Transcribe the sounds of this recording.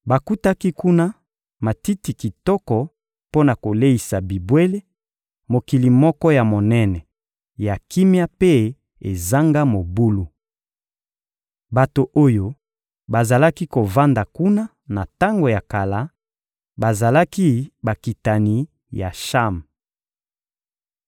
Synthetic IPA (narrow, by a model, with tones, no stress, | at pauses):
ba˨ku˦ta˦ki˦ku˦na˦ | ma˨ti˦ti˨ki˨tɔ˦kɔ˨ | po˦na˨ko˨le˦i˨sa˨bi˨bwe˦le˦ | mo˨ki˨li˨mɔ˦kɔ˦ja˨mo˨nɛ˦nɛ˨ | ja˨ki˦mja˦pe˦ | e˨za˦ŋɡa˦mo˨bu˦lu˦ | ba˨to˨ʔo˦jo˦ | ba˨za˨la˦ki˦ko˨va˦nda˨ku˦na˦ | na˨ta˦ŋɡo˨ja˨ka˨la˦ | ba˨za˨la˦ki˦ba˨ki˨ta˨ni˨ | ja˨ʃa˦m